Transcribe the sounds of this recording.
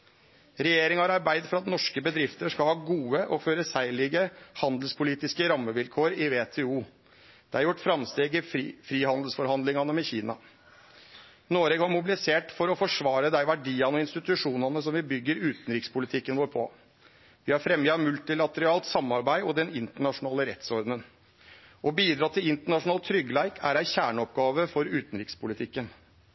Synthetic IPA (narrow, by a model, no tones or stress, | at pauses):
ɾɛjeːɾɪŋhɑɾɑɾbæɪd̪fɔɾɑt̪nɔʂkəbəd̪ɾɪft̪əʂkɑlhɑːɡuːəʔɔføːɾəsæɪlɪɡəhɑnd̪l̩spʰʊliːt̪ɪskəɾɑmːəʋɪlkʰoːɾɪʋeːt̪ʰeːuː | d̪̥ɛæɾjʊʈːfɾɑmst̪eːɡɪfɾiːhɑnd̪l̩sfɔɾhɑnd̪lɪŋɑnəmɛçiːnɑ | noːɾɛɡhɑɾmʊbɪlɪseːʈfɔɾɔfɔʂʋɑːɾəd̪æɪʋæɖiːɑnɔɪnst̪ɪt̪ʉʂuːnɑnəsɔmʋɪbʏɡːəɾʉːt̪n̩ɾɪkspʰʊlɪt̪ʰɪkːənʋoːɾpʰɔ̰ | ʋɪhɑɾfɾɛmjəɑmʉlt̪ɪlɑt̪əɾɑːlt̪sɑmɑɾbæɪɔd̪ɛnɪnt̪əɳɑʂʊnɑːləɾɛt̪sɔɾd̪nən | ʔɔbiːd̪ɾɑt̪ʰːɪlɪnt̪əɳɑʂʊnɑlt̪ʰːɾʏɡəlæɪkʰæɾæɪçæːɳəɔp̚ɡɑːʋəfɔɾʉːt̪n̩ɾɪkspʰʊlɪt̪ʰɪkːən